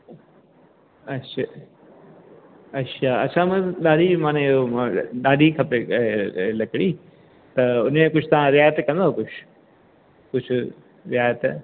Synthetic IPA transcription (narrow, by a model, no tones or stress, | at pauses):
ɐtʃʰa | ɐtʃʰaːɐtːʃʰãmɐ̃ɗaːɽʱimãːneomɗaːɖʱikʰɐpeelɐkɽiː | t̪ɐʊnmẽkʊd͡ʒʰʱt̪ɐʋ̤ãɾɪjaːjət̪kɐ̃nd̪akʊt͡ʃʰ | kʊʊ | ɾɪjaːjət̪